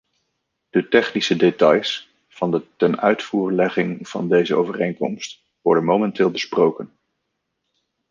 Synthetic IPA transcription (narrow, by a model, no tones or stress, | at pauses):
d̥ətɛχnisədetɑjs | fɑndətɛnœɥtfuːɹlɛχɪŋv̥ɑ̰ndejzəowvərejŋkɔ̰mst | ʋɔɹdənmowmɛntɪːlˠbəsprowkən